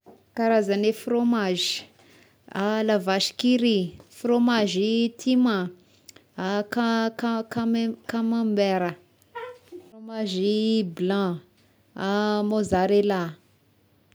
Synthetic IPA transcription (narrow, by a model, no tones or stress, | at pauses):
kaɾazanefromaʒi̥ | alavaʃi̥kiɾifromaʒit̪ʰima | akakakamkamãmbɛɾə | fromaʒiblã | amozaɾela